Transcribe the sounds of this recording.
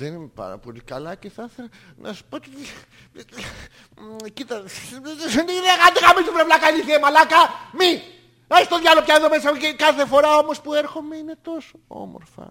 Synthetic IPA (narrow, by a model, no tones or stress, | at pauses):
ðenimepɐ̰ɾɐ̰po̞likɐlɐceθɐθelɐ | nʔɐ̰su̥pot̪i | cit̪ɐ | nðeɐɣand̪iɣamizupɾevlakɐeliθiemɐlakɐmi | ɐsi̥t̪oðʝalopçɐeðomes̬ɐkekɐθe̞fo̞ɾɐo̞mo̞spueɾxomeinet̪o̞so̥o̰mo̰ɾfɐ̰